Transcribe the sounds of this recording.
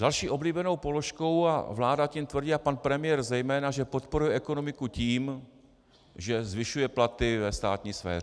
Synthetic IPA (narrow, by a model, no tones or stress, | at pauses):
d̥alʃiːʔo̞bliːbɛno̞wpo̞loʃko̞wa̰vlaːdacimt̪vr̩ɟɪlapanpɾɛmɪjɛrzɛjmɛːnaʒɛpot̪po̞ɾujɛʔɛko̞no̞mɪkuciːm | ʒɛzvɪʃujɛplat̪ɪvɛst̪aːt̪ɲiːsfɛ̰ːr